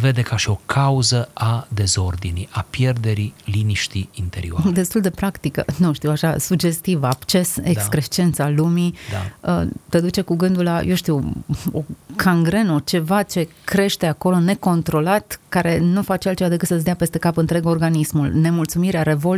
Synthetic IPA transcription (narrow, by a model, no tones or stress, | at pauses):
ve̞d̪e̞kaʃio̞kʰauzəad̪e̞zo̞rd̪iniapje̞rd̪e̞ɾiliniʃt̪ḭint̪eɾḭod̪e̞st̪uld̪e̞pɾakt̪ikə̰nuʃt̪iwaʃasuɡd͡ʒe̞st̪ivabt͡ʃe̞seskɾet͡ʃent̪salumid̪a̰ət̪ed̪ut͡ʃe̞kuɡɨnd̪ulːa̰jʔowʃt̪iwo̰kʰaŋɡɾe̞not͡ʃe̞vat͡ʃe̞kɾe̞ʃt̪e̞ako̞lo̞ne̞ko̞nt̪ɾo̞lat̪kaɾe̞nufat͡ʃealt̪t͡ʃevad̪e̞kɨt̪sət̪s̬ʲd̪eapest̪ekapɨnt̪ɾe̞ɡo̞rɡanismulne̞mult̪sumiɾeaɾe̞vo̞l